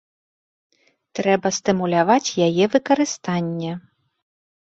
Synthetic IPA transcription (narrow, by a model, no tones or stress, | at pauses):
t̪ɾɛbɐst̪ɨmulʲavat͡sʲjajɛvɨkɐɾɨst̪anʲːɛ